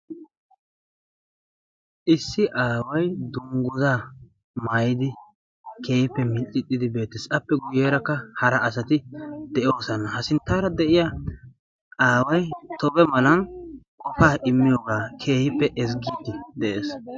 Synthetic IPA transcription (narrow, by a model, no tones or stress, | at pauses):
ʔɪsːɪʔaːwɐjd̪ʊŋɡʊzaː | maːjɪd̪ɪ | ke̞ːhɪpːɛmɪlʔʼɪt̪ʼːɪd̪ɪbe̞ːt̪ːɪsɐpːɛɡʊjeːɾɐkːɐhɐɾɐɐsɐt̪ɪd̪ɛʔjo̞ːsɐnɐhɐsɪnt̪ːaːɾɐd̪ɛʔɪja | aːwɐjt̪ɔbɛmɐlɐn | kɔfaːʔɪmːɪjoːɡaːkʰe̞ːhɪpːɛʔɛs̬ɡiːt̪ːɪd̪ɛʔeːs